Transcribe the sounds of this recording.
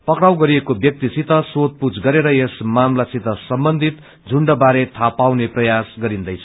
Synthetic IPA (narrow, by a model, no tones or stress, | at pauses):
pʌkɽawɡʌɾiekobjʌk̚t̪isit̪ʌsot̪̚put͡sɡʌɾeɾʌjesmamlasit̪ʌsʌmbʌnd̪ʱit̪ | d͡zʱuɳɖʌbaɾet̪ʰapawneprʌjasɡʌɾind̪ʌjt͡sʰʌ̥